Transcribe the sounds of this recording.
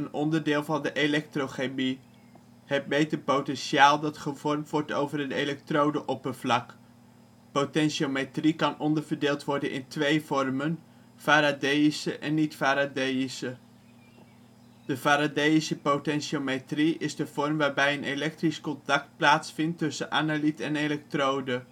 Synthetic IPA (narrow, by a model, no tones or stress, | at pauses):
ənɔndəɹdɪːlˠvɑndəʔelɛk̚trowχemi | ɦət̚mejtəɹpowtɛnʃiaːlˠdɑtχəvɔɹmtʋɔɹto̰wvərənelɛk̚trowdəʔɔpənv̥lɑk | potɛnʃometrikɑnʔɔndəɹvəɹdeːlˠtʋɔɹdənʔɪ̰ntʋejvɔrmən | faːɾadejisəʔɛnːitfaːɾadejisə | d̥əfaːɾadejisəpowtɛnʃometriɪzdəv̥ɔɹmʋaːɹbɛjənelɛk̚triskɔntɑk̚t̚plaːtsfɪntːɵsənʔa̰ːnalitɛnelɛk̚trowdə